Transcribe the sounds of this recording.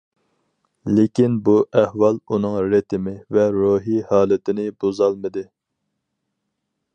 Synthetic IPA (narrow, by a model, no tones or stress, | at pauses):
lɪkʲinbuʔɛhwɑlˠunɨŋɾet̪ʰɪmɪvɛɾoɦihɑːlˠɪt̪ʰɪnɪbozɑlˠmɨd̪ɪ